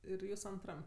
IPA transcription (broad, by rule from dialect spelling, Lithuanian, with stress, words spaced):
ˈɪr ˈjuːs ɐnˈtrɐm